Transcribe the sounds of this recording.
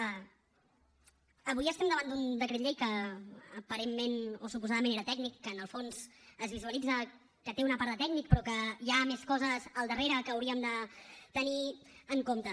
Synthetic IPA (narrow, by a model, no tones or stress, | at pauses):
əβujəst̪ɛmd̪əβand̪und̪əkɾɛt̪ʎejkəː | pəɾemːenosupuzaðəmẽneɾət̪ɛɡ̚nikːənəlˠfonz̥əzβizuəlid͡zə | kət̪eunəpaɾðət̪ɛɡnik̚pɾɔkəjameskɔzəzəlˠd̪əreɾəkəːwɾiəmd̪ət̪əniəŋkomt̪ə